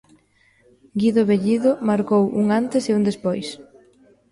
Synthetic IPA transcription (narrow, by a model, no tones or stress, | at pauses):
ɡiðʊβeʎiðʊmaɾkowʔuŋant̪ɪseund̪espojs